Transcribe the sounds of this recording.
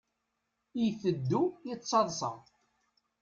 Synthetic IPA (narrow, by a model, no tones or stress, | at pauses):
ijθəd̪ːujət͡sˤːɑðˤsɑ̰ʁ